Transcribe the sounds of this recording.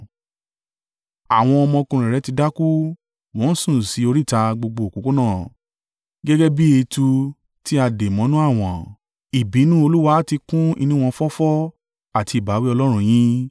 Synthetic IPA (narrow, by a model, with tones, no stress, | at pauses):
a˨w̃ɔ̃˧ɔ˧mɔ̃˧kũ˧ɾ̃ɛ̃˨ɾɛ˨˦ti˧da˦ku˦ | w̃ɔ̃˨˦sũ˦˨si˨˦o˧ɾi˦˨ta˧ɡ͡bo˧ɡ͡bo˧˨o˨ko˨˦ko˦nãː˦˨ | ɡɛ˦ɡɛ˦bi˦e˧tu˧ | ti˦a˧de˨mɔ̃˨˦nũ˦a˦˨w̃ɔ̃˨ | i˨bi˨˦nũ˦o˧lu˦wa˧˦ti˧kũ˦ḭ˧nĩ˦w̃ɔ̃˧fɔ˦fɔ˦ | a˦˨ti˧i˨ba˨˦wi˦ɔ˧lɔ˦ɾ̃ũ˧j̃ĩ˦